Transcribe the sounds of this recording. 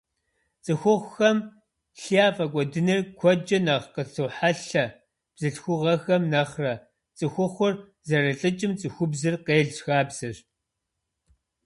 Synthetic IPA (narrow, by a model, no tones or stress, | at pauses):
t͡sʼɨxʷʊχʷxɐm | ɬijaːfʼɐkʷʼɔdɨnɨrkʷʰɔd͡ʒʼɐnɐʁqətʰoːħaɬɐ | b̥z̥ɨɬxʷʊʁɐxɐmnɐχrɐ | t͡sʼɨxʷʊχʷʊr | zɐɾɨɬʼɨt͡ʃʼɪmt͡sʼɨxʷʊbzɨrqeːɮt͡ɕxaːbz̥ɨɕ